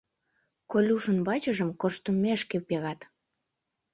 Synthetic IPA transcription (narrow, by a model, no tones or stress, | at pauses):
kolʲuʃənβɑt͡ɕəʒəmkoʃt̪umːeʃkewpeɣɑt̪